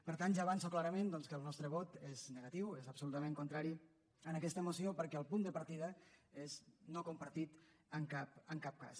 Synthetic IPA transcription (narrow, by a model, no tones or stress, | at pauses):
pəɾt̪anʒaːβansoklaɾəmẽnd̪ɔnskəlˠnɔst̪ɾəβɔt̪eznəɣət̪iwezəpsulut̪əmẽŋkunt̪ɾaɾi | ənəkɛst̪əmusiopəɾkɛəlˠpund̪əpəɾt̪iðəeznokumpəɾt̪it̪əŋkapəŋkap̚ka̰s